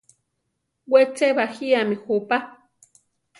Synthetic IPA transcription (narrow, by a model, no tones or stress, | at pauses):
wet͡seβaxiamixupa